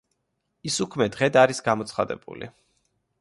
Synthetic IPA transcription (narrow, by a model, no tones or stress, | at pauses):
isukʰmɛd̪ʁɛd̪aɾisɡamɔt̪sʰχad̪ɛ̰b̥ṵlḭ